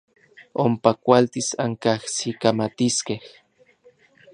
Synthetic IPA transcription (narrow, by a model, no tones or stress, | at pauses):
ompakʷalt̪isa̰ŋkahsikamat̪iskeh